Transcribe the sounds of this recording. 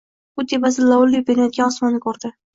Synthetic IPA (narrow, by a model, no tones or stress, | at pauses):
ʊd̪ebasɪlawʊlːɪjbeɾajt̪̚ɡʲanɒsmanːɪkʰoɾd̪ɪ